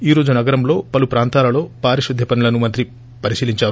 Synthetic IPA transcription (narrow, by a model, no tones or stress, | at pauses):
iːɾo̞ːd͡ʒunɐɡɐɾɐmlo̞ːpɐlupɾaːnt̪aːlɐlo̞ːpaːɾiʃud̪ʱːɐpɐnulɐnumɐnt̪ɾi | pɐɾisiːliɲt͡ʃaːɾu